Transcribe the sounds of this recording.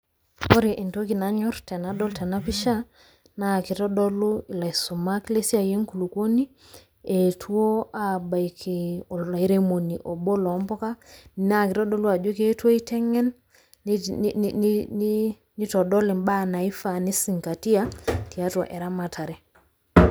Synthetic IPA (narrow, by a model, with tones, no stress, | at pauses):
o˦ɾi˨ʔi˨nto˦ki˨na˦ɲɔ˦ɾtɛ˨na˦dɔ˦ltɛ˨na˦pi˦ʃa˦ | na˦˨ki˨tɔ˦dɔ˦lu˦i˨la˨isu˨ma˦kle˦si˦a˦˨je˦ŋku˨lu˨ko˦ni˦ | e˨tʰu˦o˦a˦ba˨jkʰe˨i˦ɾemo˨ni˨ʔo˨bo˦lɔ˨˦mbɔ˦ka˦ni˨na˦˨ki˨tɔ˦dɔ˦lu˦a˨d͡ʒo˦ke˦tu˦o˦i˦tɛ˦ŋɛ˦n | ni˦tɔ˨dɔ˦le˨mba˦na˨i˦fa˨ni˦si˨ŋka˨ti˦a˦ti˨a˦twa̰˨ʔɛ˨ɾa˦ma˨tʰa˨ɾɛ˨